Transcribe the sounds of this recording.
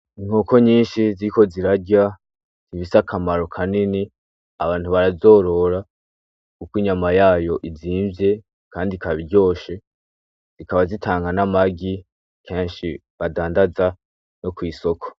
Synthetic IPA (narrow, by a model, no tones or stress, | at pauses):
iŋ̥ho̞ko̞ɲiːnʃiziɾiko̞ziɾaɟa | z̥iβisakʰamaɾo̞kʰanini | aβaːn̥huβaɾazo̞ːɾo̞ɾa | kukwiɲamajaːjo̞ʔiziːɱvje̞ | kʰaːndikaβiɾɟo̞ːʃe̞ | z̥ikaβazitʰaːŋɡanamaɡi | kʰeːɲʃi | βadaːndaza | no̞kwiːso̞kʰo̥